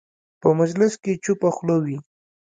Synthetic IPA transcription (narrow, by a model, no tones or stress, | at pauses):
pəmad͡ʒlɪsket͡ʃupaxlowi